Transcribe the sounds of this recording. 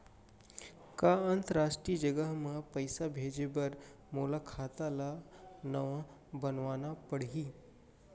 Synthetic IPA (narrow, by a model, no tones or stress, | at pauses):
kaənt̪əɾaʂʈɾiːd͡ʒəɡəɦməpəjsabʱed͡ʑebəɾ | molakʰat̪alanəʋa | bənʋanapəɽɦiː